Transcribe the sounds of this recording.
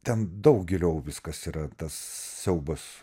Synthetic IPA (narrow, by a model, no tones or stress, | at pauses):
t̪ʲɛnd̪ɐʊkɡʲɪlʲoːʋʲɪskɐsiːɾɐt̪ɐsːʲɛʊbɐs